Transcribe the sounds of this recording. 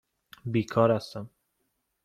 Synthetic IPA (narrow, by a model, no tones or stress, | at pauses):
biːkʰɒːɾæst̪æm